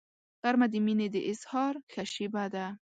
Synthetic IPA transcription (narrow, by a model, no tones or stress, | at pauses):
qaɾmad̪imined̪iʔɪshɑɾxaʃibad̪a